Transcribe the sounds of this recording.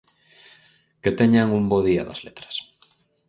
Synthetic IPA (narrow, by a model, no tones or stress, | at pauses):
ket̪eɲaŋumboð̞ia̰ðɐ̰zlet̪ɾḁs